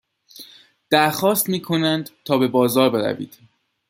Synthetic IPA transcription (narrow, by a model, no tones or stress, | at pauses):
d̪̥æɾxɒːst̪miːkʰo̞nænd̪t̪ʰɒːbe̞bɒːzɒːɾbe̞ɾæ̰vḭːd̪̥